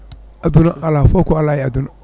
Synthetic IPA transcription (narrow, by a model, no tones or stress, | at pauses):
ad̪unaʔalafɔkɔalaɛad̪un